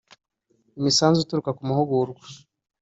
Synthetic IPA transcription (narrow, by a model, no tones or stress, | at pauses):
imisaːnzuituɾukakumuhuɡuɾɡwḁ